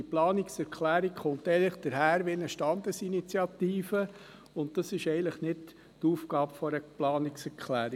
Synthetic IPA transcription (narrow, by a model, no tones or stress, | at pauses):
iplɑːnɪksɛɾkʰlæːɾikχʊnt̪ɛɪləχd̥̪əɾɦæːɾʋiɪnəʃtɑnd̪əsinit͡sjɑt̪iːfə | ʊnttɑsɪʃɛɪənləχnɪt | tuːfɡɑːbfɔɾəplɑːnɪksɛɾkʰχlæːɾi